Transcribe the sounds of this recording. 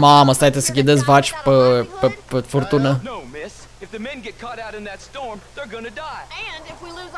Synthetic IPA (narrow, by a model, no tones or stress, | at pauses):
maməst̪ajt̪esəkʲid̪esvat͡ʃʲpəpepefort̪unənoʊmɪs | ɨfðɨmɛ̃nɡɛt̚kʰɔɾaʊɾɨ̃nðɨtstɔɹmðə˞ɡʌnɨdaɪw